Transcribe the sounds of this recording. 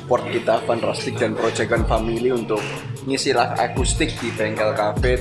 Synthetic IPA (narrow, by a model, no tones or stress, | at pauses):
pɔrt̪̚kit̪afanrast̪ɪk̚d̥anpɾod̥d͡ʒ̥aɡanfamiliunt̪ʊk̚ | ŋisilaha̰kust̪ɪk̚d̥ib̥ɛŋkɛlkafe